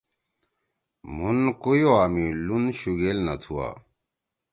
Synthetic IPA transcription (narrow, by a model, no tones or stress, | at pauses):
munkujoaːmilunɕuɡelnɐt̪ʰua̰ː